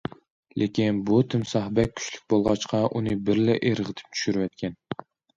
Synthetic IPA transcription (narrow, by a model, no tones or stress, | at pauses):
lʔekʲinbut̪ʰɪmsɑhbɛk̚ʲʰːy̥t͡ʃlyk̚ʲbolˠʁɑt͡ʃqʰɑʔunɨbɪɾlɪʔeɾəʁɨd̪ʰɪ̥p̚t͡ʃʰy̥ʃyɾwɛt̪kʲɛn